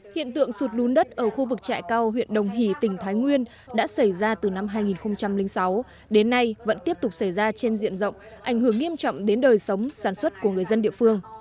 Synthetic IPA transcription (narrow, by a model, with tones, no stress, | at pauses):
hḭ˧˨ənt̪ɨ̰˧˨əŋsu˨˩t̚ɗu˨˦nɗə˦˥t̚ʔəː˧˩xu˧vɨ˨˩k̚t͡ɕa̰ː˧˨jkaː˧wɦwḭ˧˨ənɗə˨˩wŋ͡mɦi˧˩t̪ï˩ŋ̟t̪ʰaː˨˦jŋwi˧ən | ɗa̰ː˧˥sa˧˩jzaː˧t̪ɨ˨˩na˧mɦaː˧jŋi˨˩nxə˧ŋ͡mt͡ɕa˧mlï˧ŋ̟sa˨˦w | ɗe˨˦nːa˧jvə̰˧˥nt̪i˦˥əp̚t̪ʊ˨˩k͡p̚sa˧˩jzaː˧t͡ɕe˧nzḭ˧˨ənzə̰˧˨wŋ͡m | ʔa˧˩jŋ̟hɨ˧˩əŋːi˧əmt͡ɕɔ̰˧˨wŋ͡mɗe˨˦nɗəː˨˩jsə˨˦wŋ͡msaː˧˩nswə˦˥t̚ku˧˩əŋɨ˨˩əjzə˧nɗḭ˧˨əfɨ˧əŋ